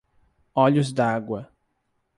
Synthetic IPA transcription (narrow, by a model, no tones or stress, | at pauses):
ɔʎʊzd̪aɡwɐ